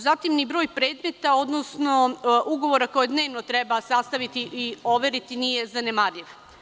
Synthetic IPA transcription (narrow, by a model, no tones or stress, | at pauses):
zat̪imnibɾo̞ːjpɾe̞ːd̪me̞t̪ao̞d̪no̞sno̞ʔuɡo̞ʋo̞ɾako̞jed̪ne̞ːʋnot̪ɾe̞basast̪aʋit̪iʔio̞ʋe̞ɾit̪inije̞zanemaɾʎiʋ